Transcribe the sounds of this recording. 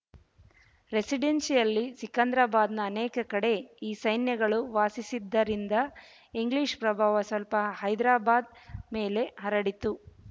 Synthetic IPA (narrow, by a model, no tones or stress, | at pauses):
ɾe̞siɖensijɐlːisikɐnd̪ɾaːbaːd̪nɐːneːkɐkɐɽe̞iːsɐjnjɐɡɐɭuʋaːsisid̪ːɐɾind̪ɐ | iŋɡliːʃpɾɐbʱaːʋɐsɐlpɐhɐjd̪ɾaːbaːd̪̚me̞ːle̞ɦɐɾɐɽit̪u